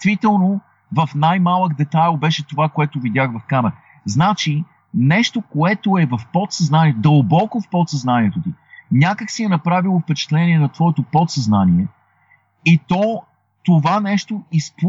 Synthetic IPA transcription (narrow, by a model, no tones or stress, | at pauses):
vit̪ɛlˠno | vɐfnajmalˠəɡd̪ɛt̪ajlˠbɛʃɛt̪ovakoɛt̪ʊvid̪ʲaxvɐfkamɛɾə | znat͡ʃi | nɛʃt̪okoɛt̪oɛvɐfpɔt̪sɐznaniɛd̪əlˠbɔkofpɔt̪sɐznaniɛt̪ot̪inʲakəksiɛnɐpɾavilˠofpɛt͡ʃɛ̥t̪lɛniɛnɐt̪vɔɛt̪opɔt̪sɐznaniɛ | it̪ɔ | t̪ovanɛʃt̪oisp